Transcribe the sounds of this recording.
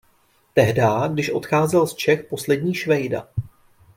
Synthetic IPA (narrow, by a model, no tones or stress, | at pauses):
t̪ɛɦdaːɡdɪʃʔo̞̰t̪xaːzɛlst͡ʃɛxpo̞slɛdɲiːʃvɛjda̰